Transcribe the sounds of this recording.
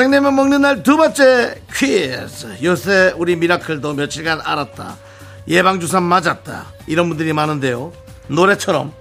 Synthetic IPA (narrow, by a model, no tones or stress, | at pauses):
eŋnemjʌnmʌŋnɯnːaɭtubant͡ɕ͈e̞kʰɥiesjosʰeuɾimiɾakʰɯɭdomjʌt͡ɕʰiɭɡana̰ɾat̚t͈a̰ | je̞baŋd͡ʑus̬ʰanmad͡ʑat̚t͈a̰ | iɾʌnbundɯɾimanɯnde̞jo | noɾe̞t͡ɕʰʌɾʌ̰m